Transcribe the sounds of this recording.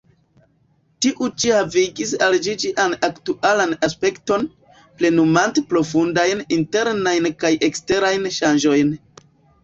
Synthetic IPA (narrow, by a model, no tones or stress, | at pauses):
tiʔut͡ʃihaviɡisald͡ʒid͡ʒiʔanaktuʔalanaspe̞kto̞n | ple̞numantepɾo̞fundajninte̞ɾnajnkajʔe̞kste̞ɾajnʃand͡ʒo̞jn